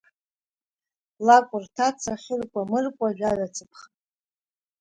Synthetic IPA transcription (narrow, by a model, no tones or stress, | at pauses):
lakʷʼʊrtʰat͡sʰaχʲɪrkʷʼamɨrkʷʼaʒᶣadat͡sʰɨpʰχa